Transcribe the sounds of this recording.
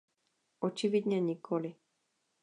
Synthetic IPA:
ʔɔt͡ʃivid̪ɲɛɲikʰoli

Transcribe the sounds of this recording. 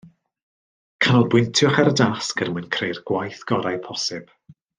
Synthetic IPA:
kʰanɔlˠbwɪntʰjʊχaɾdaskənmwɨnkʰrejrɡ̥wajθɡ̥ɔɾajpʰɔsɪb̥

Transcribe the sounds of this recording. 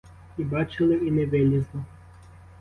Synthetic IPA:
ibɑt͡ʃɪlˠɪinɛʋɪlʲizlˠɔ

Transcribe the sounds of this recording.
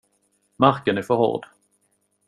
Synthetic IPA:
maɾkənæɾfœɾhɔ̰ɖ

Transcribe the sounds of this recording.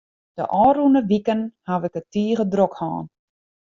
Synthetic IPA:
d̥ə̰ʔɔːrunəʋikənhaʋɪkətiːəɣədrokha̰ːn

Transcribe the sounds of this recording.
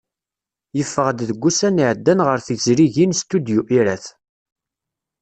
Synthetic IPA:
jəfːəʁd̪ðəɡʷːusæniʕəd̪ːænʁəɾθizɾiʝinst̪ud̪juʔiɾæθ

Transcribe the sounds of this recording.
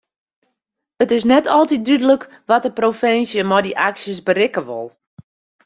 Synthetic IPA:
ətɪs̬nɛtʰɔlˠtit̚dydələk | ʋɔtəprofɪnsjəmɔdiʔaksjəsbəɾɪkəʋʊ̰lˠ

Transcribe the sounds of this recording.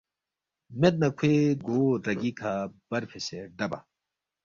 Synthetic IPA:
met̪̚nɐkʷʰweɡoːɾɐɡikʰab̥ɐɾpʰeseɖɐba̰

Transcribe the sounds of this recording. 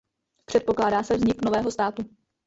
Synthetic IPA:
pr̝̥ɛt̪po̞klaːdaːsɛvzɲɪkno̞vɛːɦo̞st̪aːt̪u

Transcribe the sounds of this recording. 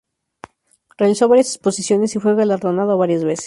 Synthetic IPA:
realiso̞βaɾjase̥spo̞sisjo̞ne̞sifweɣalaɾðonað̞oβaɾjazβe̞se̥

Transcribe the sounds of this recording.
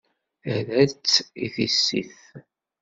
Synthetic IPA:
æðæt͡sːiθisːḭθ

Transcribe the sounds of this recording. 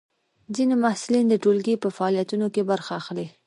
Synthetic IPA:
zinemahsulind̪əʈolɡipəfaɑlijat̪unokebaɾxaːxli

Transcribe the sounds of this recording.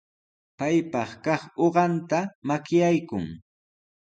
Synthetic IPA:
pajpɑχkɑχoɢɑnt̪amakjajkʊŋ

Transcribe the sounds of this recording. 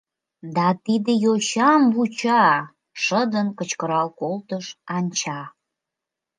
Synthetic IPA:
d̪ɑt̪id̪ejot͡ɕɑmbut͡ɕɑ | ʃəd̪ənkət͡ɕkəɾɑlkolt̪əʃɑnʲt͡ɕɑ

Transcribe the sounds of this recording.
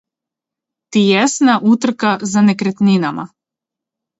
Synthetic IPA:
t̪ijɛsnaʔut̪r̩kazanekɾet̪ninama̰

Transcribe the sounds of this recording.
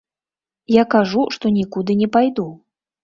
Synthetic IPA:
jakaʐuʂt̪ɔnʲikud̪ɨnʲɛpajd̪u

